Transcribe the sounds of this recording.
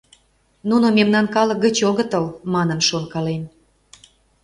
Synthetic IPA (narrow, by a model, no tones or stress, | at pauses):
nunomemnɑnkɑlə̆k̚ɡə̆t͡ɕoɣə̆t̪əlmɑnə̆mʃonkɑlem